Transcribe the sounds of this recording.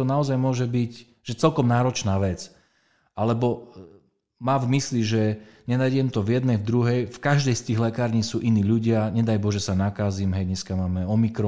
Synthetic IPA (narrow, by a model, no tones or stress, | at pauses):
ɔnaɔzajmʊɔʒɛbic | ʒ̥ɛt͡sɛlkɔmnaːɾɔt͡ʃnaːʋɛt͡s | ʔalɛbɔ | maːvmisliʒɛ | ɲɛnajɟɛmt̪ɔvjɛd̪nɛjvd̪ɾuɦɛjfkaʒd̪ɛjst̪iːɣlɛkaːɾɲiːsuːʔiniːʎuɟɪaɲɛd̪ajbɔʒɛsanakaːzimɦɛjɲɛskamaːmɛɔmikɾɔ